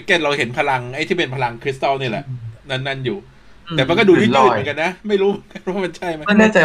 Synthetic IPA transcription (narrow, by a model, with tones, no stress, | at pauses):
keː˥˩nɾa˧whe˩˦npʰa˧la˧ŋha˦˩jt̪ʰiː˥˩pe˧npʰa˧la˧ŋkʰɾi˦˥st̪a˥˩ni˥˩ɐlɛ̰˨˩ʔna˦˥˩nːa˥˩njuː˨˩ | tt̪ɛ˨˩ma˧nkɔ˥˩duː˧tʰi˥˩˨ŋka˧nːa˦˥ma˥˩jɾuː˦˥mɯ˩˦nka˧nwaː˥˩ma˧nt͡ɕʰa˥˩jma˦˥˩naː˥˩t͡ɕa˧